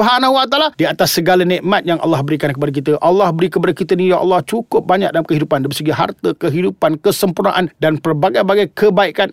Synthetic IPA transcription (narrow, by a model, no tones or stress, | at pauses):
ɦanaɦuwat̪aladiat̪asːəɡalanɛ̃ʔmat̪̚jaŋʔɑ̰lːɑhbəɾikankəpadak̬it̪əʔɑlːɑhbəɾikəpadakit̪ənijaʔɑ̰lːɑht͡ʃukʊp̚baɲa̰k̚dalamkəɦidupandaməsəɡiɦa̰rt̪əkəɦidupankəsəmpurna̰ʔandanpərbaɡajbaɡajkəbaikan